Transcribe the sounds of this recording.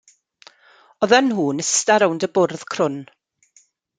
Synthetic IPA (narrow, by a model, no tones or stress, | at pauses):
ɔðənhuːnəstaɾawndəbʊrð̥kʰrʊn